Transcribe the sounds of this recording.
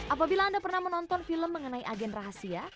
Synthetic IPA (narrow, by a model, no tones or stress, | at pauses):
ʔapabilaːndapərnahmənɔnt̪ɔnfiləmːəŋənaiʔaɡɛnraɦasia